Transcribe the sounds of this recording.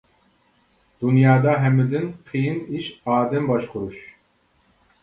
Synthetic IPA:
d̪̥unjɑːd̪ɑɦɛmɨd̪ɨnqʰijniʃaːd̪ɛmbɑʃχʊɾuʃ

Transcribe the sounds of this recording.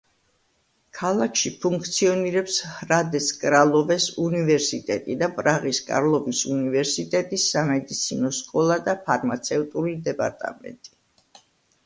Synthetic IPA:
kʰalˠakʰʃipʰuŋk̚ʰt̪sʰiɔniɾɛpshɾad̪ɛskʼɾalˠɔvɛsunivɛɾsit̪ʼɛt̪ʼid̪apʼɾaʁiskʼa̰ɾlˠɔvisunivɛɾsit̪ʼɛt̪ʼisːamɛd̪it̪sʰinɔskʼɔlˠad̪apʰaɾmat̪sʰɛvt̪ʼuɾid̪ɛpʼa̰ɾt̪ʼa̰mɛ̰nt̪ʼi̥

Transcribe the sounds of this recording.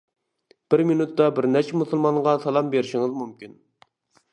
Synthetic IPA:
b̥ɪɾminut̪ːɑbɪɾnɛt͡ʃʰmusɨlˠmɑɴʁɑsɑlˠɑmbeɾɪʃiŋɨzmumkʲin

